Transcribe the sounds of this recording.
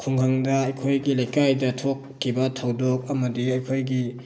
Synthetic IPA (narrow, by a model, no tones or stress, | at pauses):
kʰuŋhaŋdɐɐjkʰojɡilajkajdɐtʰokʰːibɐtʰɐwdok̚ɐmɐdiɐjkʰojɡi